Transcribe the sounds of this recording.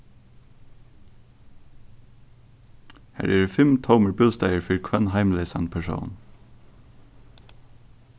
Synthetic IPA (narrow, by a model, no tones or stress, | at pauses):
hæ̰ːɹʔæːɹːfɪmt̪ʰoʊməɹbʉlst̪eɪəɹfɪɹkʰwɛnhɑɪmlɪsænpʰæʃo̰ʊn